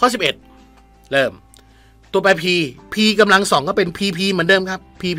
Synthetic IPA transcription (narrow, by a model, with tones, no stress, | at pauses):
kʰɔː˥˩si˨˩p̚ʔe˨˩t̪̚ | lɤː˧˩m | t̪u˧ɐpa˧jpʰiː˧pʰiː˧ka˧mla˧ŋsɔː˨˩˦ŋkɔː˥˩pe˧npʰiː˧pʰiː˧mɯ˩˦ndɤː˧˨mkʰa˦˥pʰːiː˧pʰ